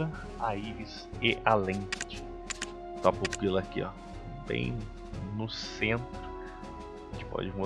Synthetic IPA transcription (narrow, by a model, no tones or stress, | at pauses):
ɐ | aiɾis | ɪʔalẽt͡ʃɪ̥ | t̪apupilɐkia̰ | bḛ̃j̃ | nʊsẽnt̪ɾʊ | ẽt͡ʃɪ̥pɔ̰d͡ʒɪmu